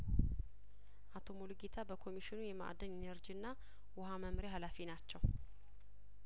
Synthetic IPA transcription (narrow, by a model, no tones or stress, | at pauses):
ʔat̪ʰo̞moluɡet̪ʰabəkʰo̞miʃɪnujɛmaʔa̰d̪ənenəɾd͡ʒiɨnːa | wʊɦaməmɾeɦalafinat͡ʃːɛw